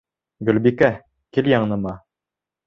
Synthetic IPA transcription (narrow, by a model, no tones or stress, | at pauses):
ɡɵ̆lbikæ | kiljɑɴnɤ̆mɑ